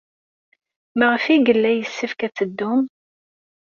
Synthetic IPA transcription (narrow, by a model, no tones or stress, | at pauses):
məʁəfiɡəlːæjəsːəfkæt͡sːəd̪ːʊm